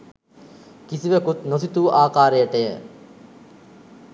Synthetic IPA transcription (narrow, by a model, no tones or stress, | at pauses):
kisiʋekut̪nos̬it̪uːʔaːkaːɾejəʈəjə̰